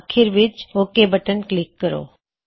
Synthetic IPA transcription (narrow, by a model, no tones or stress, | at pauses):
kʰɪɾʋɪt͡ʃoːkebəʈənklɪkːəɾo̰ː